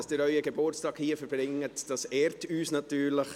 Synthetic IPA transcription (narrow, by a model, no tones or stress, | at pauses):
sd̥ɪɾœʏəɡebʊɾstɑːkhiːəfəɾbɾɪŋːətd̥ɑsɛːɾtyːsnɑtyːɾləχ